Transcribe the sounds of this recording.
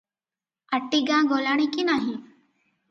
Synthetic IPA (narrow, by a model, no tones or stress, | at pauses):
əʈiːɡãːɡoːlaːɳ̃iːkinaːɦĩ